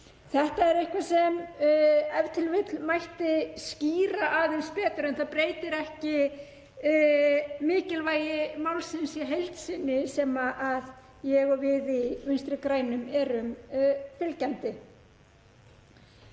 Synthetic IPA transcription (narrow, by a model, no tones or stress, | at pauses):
θɛht̪aɛɾejhkvasɛm | ɛvt̪ʰɪlvɪt̪lmajht̪ɪsciːɾaʔaðɪnspɛːt̪ʏɾɪnθapɾejt̪ɪɾɛhcɪ | mɪːcɪlvaːjɪmawlsɪnsjiɦejlt̪sɪnːɪsɛːmaʔað | jɛɣɔvɪðimʏnst̪ɾɪkɾaːjnʏmɛɾʏmfɪlcant̪ɪ